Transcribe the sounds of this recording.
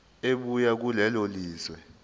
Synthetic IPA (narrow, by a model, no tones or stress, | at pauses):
eɓujak̬ulɛloliːzwɛ